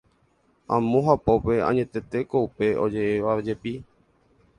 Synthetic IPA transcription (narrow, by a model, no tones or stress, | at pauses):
ãmõɦapo̞pe̞ã̰ɲẽ̞t̪e̞t̪e̞ko̞upe̞ʔo̞d͡ʒe̞ʔeʋad͡ʒe̞pi